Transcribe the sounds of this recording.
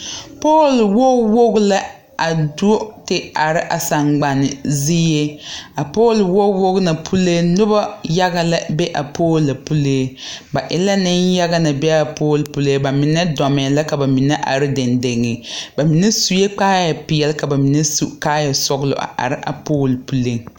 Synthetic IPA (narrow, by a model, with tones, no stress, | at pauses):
poː˦˨lwo˦wo˦ɡla˦ | a˨do˦tɪ˦a˨ɾɪ˦ʔa˨sa˨ŋ͡mɡ͡ba˨nɪ˨zi˦je˦a˨poː˦˨lwo˦wo˦ɣna˨pʰu˦le˦nʊ˦ba˦ja˦ɡa˦la˦bɛ˦ʔa˨pʰoː˦lːa˨pu˦leː˦ba˨ʔɪ˨la˦nɪ˦nja˦ɣa˦na˨bɛ˦a˨poː˦lpu˦le˦ba˨mɪ˨nɛ˦dɔ˨mɛ˨la˦ka˨ba˨mi˨nɛ˦ʔa̰˨ɾɪ˦dɪ˨nde˨ŋɪ˨ba˨mi˨nɛ˦su˨je˦k͡paː˦jɛ˨pɪ˨jɛ˨lɪ˦ka˨ba˨mi˨nɛ˦su˦kaː˦ja˨sɔ˦ɡlʊ̰˨ʔa̰˨ʔa̰˨ɾɪ˦ʔa̰˨poː˦˨lpu˨le˦ŋ